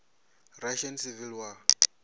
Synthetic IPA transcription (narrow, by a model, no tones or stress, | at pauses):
raʃɔnsivilwa